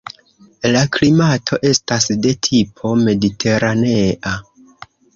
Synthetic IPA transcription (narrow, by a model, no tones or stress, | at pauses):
laklimatʰo̞ʔe̞stasde̞tʰipʰo̞me̞ditʰe̞ɾane̞ʔa